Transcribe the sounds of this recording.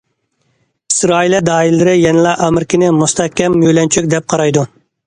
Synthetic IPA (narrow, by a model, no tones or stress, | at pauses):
i̥sɾɑːilid̪ɑːilːɪɾɪjɛnɪlˠɑʔɑmɪɾkʲɪnɪmust̪ʰɛhkʲːɛmjøjlɛnt͡ʃʰyk̚ʲd̪ɛp̚qʰɑɾɑjd̪u